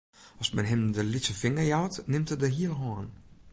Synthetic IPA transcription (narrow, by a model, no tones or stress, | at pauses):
ʔɔsmɛnɦɪmdəlitsəfɪŋəjawtnɪmtədəɦiəlˠɦɔːn